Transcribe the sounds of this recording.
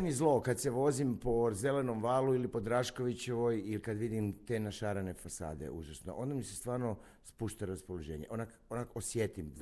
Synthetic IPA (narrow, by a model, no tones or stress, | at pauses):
mizlˠo̞kad̪seʋo̞zimpo̞ze̞le̞no̞mʋaːluilipo̞d̪ɾaʃko̞ʋit͡ɕeʋo̞jilkad̪ʋid̪imt̪e̞naʃaɾane̞fasa̰ːd̪e̞̰uʒasno̰ʔo̞nd̪amisest̪ʋaːɾno | spuʃt̪aɾaspolˠoʒe̞ːɲeʔonak | onakosjet̪im